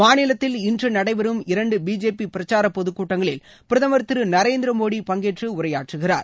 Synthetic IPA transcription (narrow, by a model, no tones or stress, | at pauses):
maːnɪlɐt̪ːɪlɪndrɯnɐɽɐɪʋɐɾɯmɪɾɐɳɖɯbiːd͡ʒeːpipɪɾɐt͡ʃːaːɾɐpːɔðɯkːuːʈːɐŋɡɐɭɪl | pɪɾɐðɐmɐɾt̪ɪɾɯnɐɾeːnd̪ɪɾɐmoːɽipɐŋɡeːʈrɯʊrɐjaːʈrɯɣɪra̰ːɾ